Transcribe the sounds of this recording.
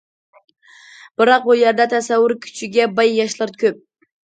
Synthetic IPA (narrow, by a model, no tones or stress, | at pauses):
b̥ɨɾɑq̚bujɛɾd̪ɛt̪ʰæsæwːʊɾkʲʰy̥t͡ʃʰɪɡʲɛbɑjːɑʃlˠɑɾkʲʰøp̚